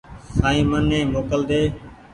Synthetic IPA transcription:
saːĩːmənːẽːmoːkəld̪eː

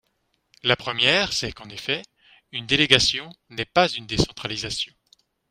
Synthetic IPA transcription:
lapχəmjɛːʁsɛkɑ̃nefɛ | ynd̪eleɡasjɔ̃ | nɛpazynd̪esɑ̃t̪χalizasjɔ̃

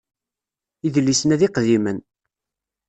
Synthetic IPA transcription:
iðlːisənæðiqðimən

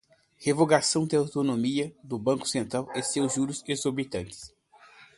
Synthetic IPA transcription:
hevoɡasɐ̃w̃d̪ɪawt̪onomiɐd̪ʊbɐ̃ŋkʊ̥sẽnt̪ɾawesewzʒuɾʊzezoɾbit̪ɐ̃nt̪ɪ̥s

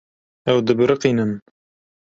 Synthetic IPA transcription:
ɛwd̪ɨbɾɨqiːnɨm

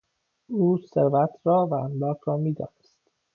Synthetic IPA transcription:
uːseɾvæt̪ʰɾɒːvæænlɒːkʰɾɒːmiːd̪ɒ̰ːnest̪

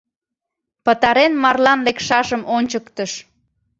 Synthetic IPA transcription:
pət̪ɑɾenmɑrlɑnlekʃɑʒəmonʲt͡ɕəkt̪əʃ

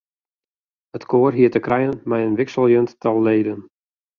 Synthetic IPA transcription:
hətkʰoːərɦiətəkrɛjənmɛjənʋɪksəlˠjønttʰɔlˠːeːdən

